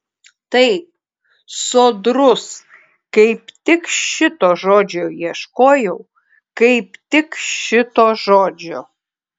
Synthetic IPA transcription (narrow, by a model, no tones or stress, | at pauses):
t̪ɐɪp̚ | soːd̪ɾʊs | kɐɪpt̪ʲɪkʃʲɪt̪oːʒoːd͡ʒʲoːiɛʃkoːjɛʊ | kɐɪpt̪ʲɪkʃɪt̪oːʒoːd͡ʒʲo